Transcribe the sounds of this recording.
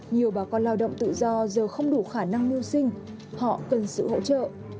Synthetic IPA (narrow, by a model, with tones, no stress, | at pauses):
ɲi˨˩əwɓaː˨˩kɔ˧nlaː˧wɗə̰˧˨wŋ͡mt̪ɨ̰˧˨zɔ˧zəː˨˩xə˧wŋ͡mɗu˧˩xaː˧˩na˧ŋni˧əwsï˧ŋ̟ | hɔ̰˧˨kə˨˩nsɨ̰˧˨ho̰˧˥t͡ɕə̰ː˧˨ʔ